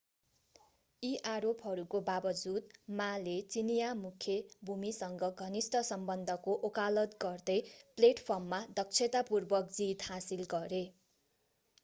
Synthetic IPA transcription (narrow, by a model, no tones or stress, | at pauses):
iʔaɾopɦʌɾukobabʌd͡zud̪̚malet͡sinijamukʰjebʱumisʌŋɡʌɡʱʌnisʈʌsʌmbʌnd̪ʱʌkoʔokalʌt̪ɡʌrd̪ʌjpleʈpʰʌrmːad̪ʌk̚t͡sʰet̪apurbʌkd͡zit̪hasilɡʌɾe